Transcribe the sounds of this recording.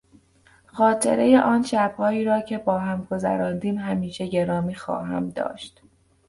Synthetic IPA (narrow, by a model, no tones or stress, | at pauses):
xɒːt̪ʰe̞̰ɾe̞jeʔɒːnʃæb̥hɒːiːɾɒːcʰe̞bɒːɦæmɡo̞zæ̰ɾɒːnd̪iːmɦæmiːʃe̞ɟe̞ɾɒːmiːxɒ̰ːɦæ̰md̪ɒ̰ːʃt̪